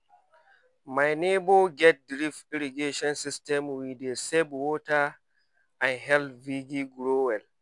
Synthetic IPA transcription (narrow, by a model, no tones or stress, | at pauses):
majneboɡɛt̚dɾifiɾiɡeʃɔnsistɛmwidesɛbwoːta | ãnɦɛlviɡiɡɾowɛl